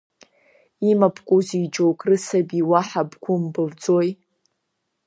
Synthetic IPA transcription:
imapʰkʷʼuzid͡ʒowkʼrɨsabiwaħabɡʷʊmbɨvd͡zoj

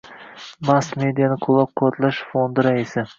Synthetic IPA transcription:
mast̪me̞d̪ijanɪqʰolˠɒq̚ʰːɒt̪ʰlaʃfo̞nd̪ɪɾaisɪ

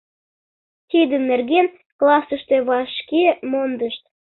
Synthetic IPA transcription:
t̪id̪ənːerɣen | klɑsəʃt̪e̽βɑʃkemond̪əʃt̪

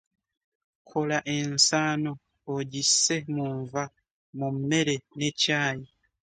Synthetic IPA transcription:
kʰolaʔensaːnoː | ɟisemuɱva | mume̞ɾenecaːji

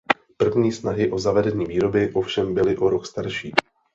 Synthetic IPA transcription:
pr̩vɲiːsnaɦɪʔo̞zavɛdɛɲiːviːɾo̞bɪʔo̞fʃɛmbɪlɪʔo̞ɾokst̪aɾʃiː

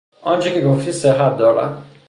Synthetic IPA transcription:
ʔɒnt͡ʃʰeceɡoft̪ʰiːseɦæt̪̚d̪ɒːɾæ̰m

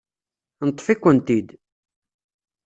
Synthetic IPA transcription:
nət̪ˤːfikʷːənt̪id̪

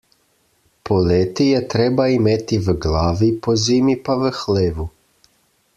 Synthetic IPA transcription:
pʰoleːt̪ijɛt̪ɾɛːbaimet̪iʋɡlaːʋipoziːmipaʋəxleːʋu

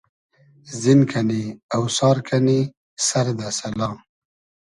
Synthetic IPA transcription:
zinkʰaniawsɑːɾkʰani | saɾd̪asalɑ̃ː

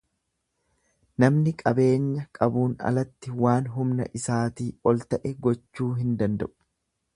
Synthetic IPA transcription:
nɐmnɪkʼɐbe̞ːɲːɐkʼɐbuːnɐ̰lɐt̪ːɪwaːnɦʊmnɐ̰ʔɪsaːt̪iːɔlt̪ɐʔɛɡɔt͡ʃːuːɦɪnd̪ɐnd̪ɐ̰ʔʊ̥

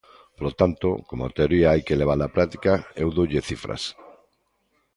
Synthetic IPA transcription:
polot̪ant̪okomoat̪eoɾiaajkeleβ̞alapɾat̪i̥kaewðowʎeθifɾa̰s

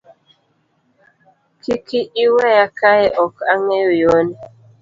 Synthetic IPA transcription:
kikiʔiwɛjakaeʔɔkaŋejojon

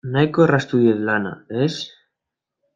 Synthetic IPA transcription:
najkorast̪uðjeðlana̰es

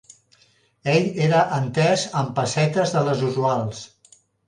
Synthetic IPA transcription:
eʎeɾəʔənt̪ɛzəmpəsɛt̪əzðələzuzualˠs

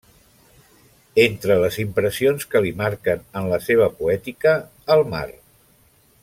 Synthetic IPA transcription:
ent̪ɾələzimpɾəsionskəlimaɾkənənləseβ̞əpuɛt̪ikəː | lˠma̰r

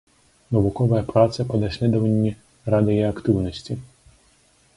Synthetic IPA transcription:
nɔʋʊkɔʋɐjɐpɾat̪sɐpɔd̪ɐsʲlʲɛd̪ɔʋɐnʲːi | ɾɑd̪ɪjɛɐkt̪ɪwnɔsʲtʲi

